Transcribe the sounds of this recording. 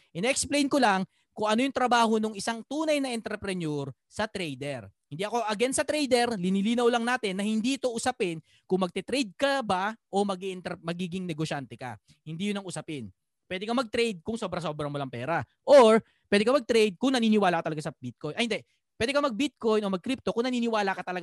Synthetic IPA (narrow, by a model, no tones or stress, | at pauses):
ʔɪnɛɛksplejnkolaŋ | kʊŋʔɐno̞jʊŋt̪ɾɐbaːho̞noŋɪsaŋt̪uːnɐjnɐʔɛnt̪ɾɛpɾɛnoɾ | sɐt̪ɾɛjd̪ɛɾhɪnd̪iɐko̞ʔɐɡɛnsɐt̪ɾɛjd̪ɛɾlɪnɪliːnɐwlɐŋnaːt̪ɪnːɐhɪnd̪iʔɪt̪o̞ʔʊsɐpɪn | kʊŋmɐɡ̚t̪ɛt̪ɾɛjd̪̚kɐbaʔo̞mɐɡiʔɪnt̪ɛmɐɡiːɡɪŋnɛɡoʃant̪ɛka̰ | hɪnd̪ijʊnɐŋʔʊsɐpɪn | pwɛːd̪ɛkɐmɐɡ̚t̪ɾɛjd̪̚kʊŋso̞ːbɾɐso̞bɾɐŋmʊlaŋpɛːɾɐ | ʔoɹ | pwɛːd̪ɛkɐmɐɡ̚t̪ɾejd̪̚kʊŋnɐniːnɪwaːlɐkɐt̪ɐlɐɡasɐbit̪̚kojnʔɐhɪnd̪ɛ | pwɛːd̪ɛkɐmɐɡ̚bit̪̚ko̞jnʔo̞mɐɡ̚kɾip̚t̪o̞kʊŋnɐniːnɪwaːlɐkɐt̪ɐlɐɡa